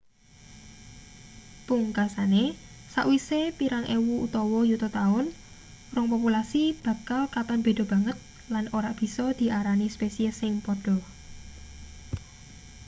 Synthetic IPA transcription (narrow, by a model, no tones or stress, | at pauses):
puŋkasane | sa̰ʔwisepiɾaŋʔewuut̪ɔwɔjut̪ɔt̪aʊn | rʊŋpɔpulasib̥ä̤kalkat̪ɔnb̥e̤d̪o̤b̥ä̤ŋət̪̚ | lanʔoɾaʔb̥i̤sɔd̪̥i̤ʔaɾanispesiəsɪŋpɔɖ̥ɔ̤